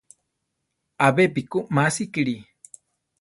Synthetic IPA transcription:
abepikumasikiɽi

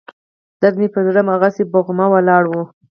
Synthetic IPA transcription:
d̪̥ad̪mipəd̪ɾamaɣaseboɣmawalɑɽwu

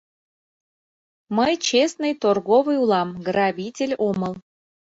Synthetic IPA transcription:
məjt͡ɕesnɨjt̪orɣovɨjulˠɑmɡrɑβʲitʲelʲoməlˠ

